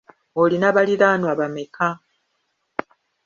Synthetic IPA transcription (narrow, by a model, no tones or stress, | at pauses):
olinaβaliɾaːnwaβameka